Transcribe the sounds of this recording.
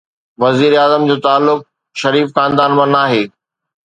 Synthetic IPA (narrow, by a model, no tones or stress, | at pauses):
ʋɐziːɾeaːzəmd͡ʑoːt̪aːlːʊk̚ | ʃɐɾiːfxãːnd̪aːnmãnaːɦeː